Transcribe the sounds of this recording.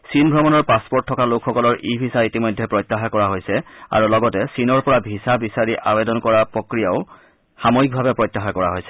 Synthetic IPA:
sinbʱɔmɔnɔɹpaspɔɹtʰːɔkalokʰxɔkɔlɔɹʔibʱisaitimɔjdʱɛpɹɔjtːaxakɔɹaɦojsɛa̰ɹulɔɡɔtɛsinɔɹpɔɹabʱisabisaɹiʔabedɔnkɔɹapɹokɹijaʊ | xamoik̚bʱabɛpɹɔjtːaxakɔɹaɦojsɛ̥

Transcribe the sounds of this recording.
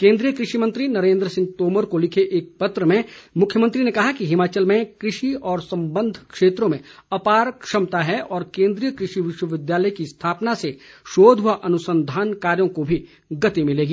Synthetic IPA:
kẽːnd̪ɾijəkɾɪʃimɐ̃nt̪ɾinɐɾẽːnd̪ɾəsɪ̃ŋɡ̚t̪oːməɾkolɪkʰeʔeːk̚pɐt̪ɾəmẽmʊkʰjəmɐ̃nt̪ɾinekɐɦakiɦɪmaːt͡ʃəlmẽkɾɪʃiɔːɾsɐ̃mbə̃nd̪ʱkʃeːt̪ɾõmẽɐpaːɾkʃɐmt̪aɦɛʔɔːɾkẽːnd̪ɾijəkɾɪʃiʋɪʃwəʋɪd̪jaːləjkist̪ʰaːpnaseʃoːd̪ʱaʔɐnʊsə̃nd̪ʱaːnkaːɾjõkobʱi | ɡɐt̪imɪleːɡiː

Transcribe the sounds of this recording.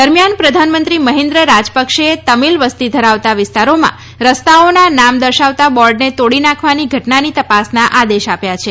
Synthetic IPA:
d̪əɾmjanpɾəd̪ʱanmənt̪ɾiməɦẽnd̪ɾəɾad͡ʒpəkʃet̪əmilʋəst̪id̪ʱəɾaʋt̪aʋɪst̪aɾomã̰ | ɾəst̪aonanamd̪əɾʃaʋt̪abɔɾɖnet̪oɽinãkʰʋaniɡʱəʈnanit̪əpasnaʔad̪eʃapjat͡ʃʰe

